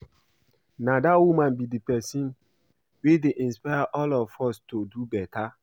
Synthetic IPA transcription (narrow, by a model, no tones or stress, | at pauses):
nadawumãnbidipɛsĩn | wedeʔĩnspaɪaʔɔlɔfɔstodubɛta